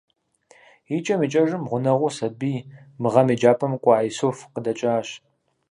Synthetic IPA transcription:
it͡ʃʼɐmit͡ʃʼɐʒɨmʁʷʊnɐʁʷʊsɐbiːmɨʁɐmid͡ʒaːpʰɐmkʷʼɑːjisoːfqədɐt͡ʃʼaːɕ

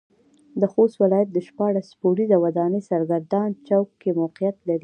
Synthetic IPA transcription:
d̪əxost̪wɪlɑjat̪̚d̪əʃpɑɽaspoɽizawad̪ɑnəsaɾɡaɾd̪ɑnt͡ʃawkːemawqijat̪laɾi

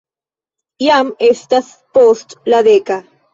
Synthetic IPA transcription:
jamest̪as | post̪laðeka

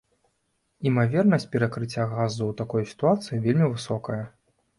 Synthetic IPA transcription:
imavʲɛrnɐsʲt͡sʲpʲɛɾɐkɾɨt͡sʲːaɣazuwt̪akɔjsʲi̥t̪uat̪sɨjivʲelʲmʲivɨsɔkɐjɐ

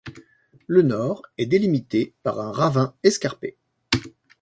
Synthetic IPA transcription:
lənɔʁɛd̪elimit̪epa̰ʁɛ̃ʁavɛ̃ɛskaʁpḛ

